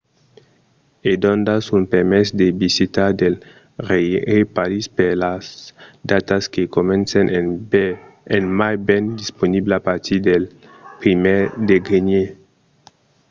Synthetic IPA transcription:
ed̪õnd̪asunpeɾmesd̪ebisit̪aɾd̪el | ʁejepaɾispeɾlasd̪at̪askekomɛ̃nsen | enmajbɛnd̪isponibleapaɾt̪id̪elpɾimed̪eɡɾeɲe

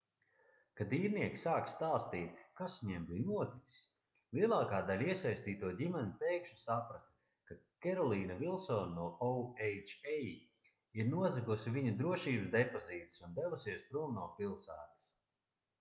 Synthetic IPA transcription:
kad̪iːɾniɛksaːkst̪aːst̪iːt̪̚kasɲɛmbijnuɔt̪it̪si̥s | lˠiɛlˠaːkaːd̪alʲiɛsajsʲt̪iːt̪uɔdʲimɛnit̪ɛjkʃu̥sapɾast̪ | kakɛɾɔlˠiːnavilˠsɔːnnuɔɔwɛjt͡ʃɛj | iɾnuɔzɛkusiviɲud̪ɾuɔʃiːbɨsd̪epoziːt̪i̥sund̪ɛvusiɛspɾuɔmnuːpilˠsæ̰ːt̪i̥s

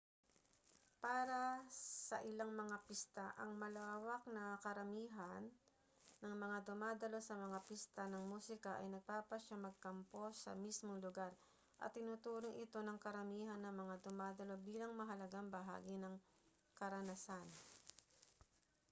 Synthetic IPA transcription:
paːɾɐsɐ̰ʔɪlaŋmɐŋapist̪aʔɐŋmɐlaːwɐknɐkɐɾɐmiːɦɐnː | ɐŋmɐŋad̪ʊmaːd̪ɐlo̞sɐmɐŋapist̪anɐŋmuːsɪkɐʔɐ̰jnɐɡ̚paːpɐʃamɐɡ̚kɐmpo̞sɐ̰mismoŋlʊɡaɾ | ʔɐ̰t̪ːɪnut̪uːɾoŋʔɪt̪o̞nɐŋkɐɾɐmiːɦɐnːɐŋmɐŋad̪ʊmaːd̪ɐlo̞biːlɐŋmɐɦɐlɐɡaŋbɐɦa̰ːɡinɐŋ | kɐɾɐnɐsan

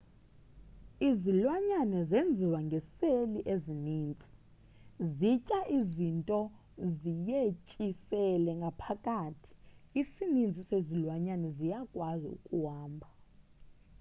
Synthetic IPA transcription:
izilwaɲanɛzend͡zʱiwaŋɡʱɛseliʔeziniːnt͡sʼi̥ | zit͡ʃʼaʔizintʼɔ | zijet͡ʃʼisɛlɛŋɡʱapʰakʼatʰi̥isinind͡zʱisezilwaɲanɛzijakʼwazḭṵkʼuɦaːmbʱa

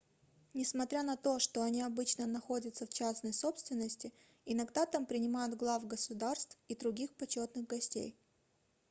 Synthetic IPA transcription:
nʲɪsmɐt̪ɾʲanɐt̪o̞ʂt̪oɐnʲiɐbɨt͡ɕnənɐxo̞dʲət̪səft͡ɕasnəjso̞pst̪vʲɪnːəsʲtʲɪ | ɪnɐɡd̪at̪ampɾʲɪnʲɪmajʊt̪ɡlˠafɡəsʊd̪arst̪fid̪ɾʊɡʲixpɐt͡ɕo̞t̪nɨɣɡɐsʲtʲḛj

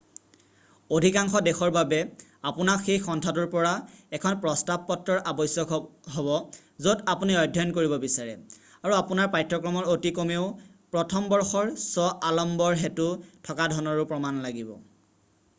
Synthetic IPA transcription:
odʱikaŋxɔdɛxɔɹbabɛ | apunakxejxɔntʰatuɹpɔɹaɛkʰɔnpɹɔstab̚pɔtɹɔɹʔabɔjsjɔɦɔβɔ | zodapuniɔjdʱɔnkoɹibɔbisaɹɛ̰ | aɹuapunaɹpajtːɹɔkɹɔmɔɹotikomeʊpɹɔtʰɔmbɔɹxɔɹsɔʔalɔmbɔɹɦetutʰɔkadʱɔnɔɹupɹɔmanlaɡibɔ̰

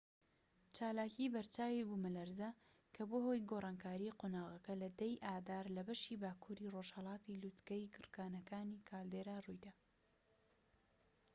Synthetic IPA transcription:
t͡ʃaːlaːcibɐɾt͡ʃaːwibumɨlɐɾzɐ | kʰɐboːhojɡoːrˤɑːnkaːɾiqoːnaːɣɐkɐlɐd̪ɐjʔaːd̪aːɾlɐbɐʃibaːkʰuɾiːroʒhɐlˠɑːt̪ilut̪ɡɐjkɨɾkaːnɐkaːniːkʰaːld̪eːɾaːrujd̪a

